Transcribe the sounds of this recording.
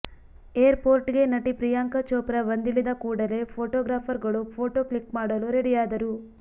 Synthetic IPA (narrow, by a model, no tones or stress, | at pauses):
eːɐɾpoːɾʈiɡe̞nɐʈipɾijaːŋkɐt͡ʃoːpɾɐʋɐnd̪ilːid̪ɐkuːɽɐle̞pʰoːʈoːɡɾaːpʰɐɾɡɐɭupʰoːʈoːkɭikmaːɽɐluɾeɽijaːd̪ɐɾu